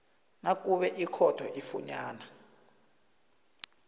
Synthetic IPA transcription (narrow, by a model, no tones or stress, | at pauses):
nak̬ʼuɓɛʔikʰɔd̥ʰʱɔʔifṵɲaːna